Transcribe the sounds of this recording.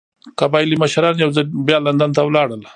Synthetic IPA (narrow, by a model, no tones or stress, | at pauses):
kabɑjliməʃɾɑnjawzabjɑland̪ant̪awlɑɽəl